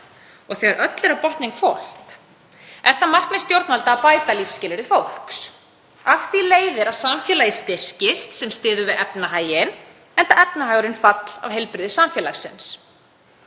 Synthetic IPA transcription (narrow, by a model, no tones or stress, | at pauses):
ɔɣθɛaɾʔœt̪lɛɾapɔht̪nɪŋkfowl̥t̪ | ɛɾ̥θamar̥k̪nɪ̥st̪jowɾt̪nalt̪aːpaːjt̪alifscɪːlɪɾɪfowl̥ks | afθileːjðɪɾaðsamfjɛːlajɪst̪ɪr̥cɪst̪sɛmst̪ɪːðʏvɪðɛpnaɦaːjɪn | ɛnt̪aɛp̚naɦajʏɾɪnfat̪l̥a̰vɦejlpɾɪðɪsamfjɛːlasɪ̰ns